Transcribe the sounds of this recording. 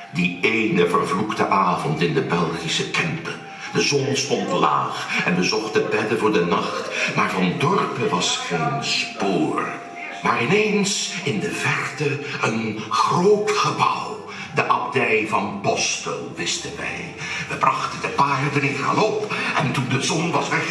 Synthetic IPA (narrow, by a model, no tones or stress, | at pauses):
dieːjnəvəɹvluktəʔaːvɔntɪndəbɛlˠχisəkɛmpə | dəzɔnstɔntla̰ːχɛnbəzɔχtəbɛdəvʊːɹdənɑχtmaːɹvɑndɔɹpəʋɑsχejnspʊːɹ | maːɹɪnejnsɪndəvɛrtəənχroːtχəbʌ̰w | dəʔɑb̚dɛjvɑnpɔsto̰lˠʋɪstənʋɛ̰j | ʋəbrɑχtəndəpaːrdrɪχə̰lɔpɛntundəzɔnʋɑsʋɛ